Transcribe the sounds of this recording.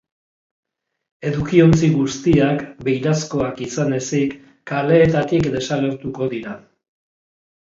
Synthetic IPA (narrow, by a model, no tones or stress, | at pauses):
e̞ðukio̞nt͡siɣust̪iakbe̞jɾasko̞akisane̞sikː | ale̞ːt̪at̪ikd̪e̞sale̞ɾt̪uko̞ðiɾa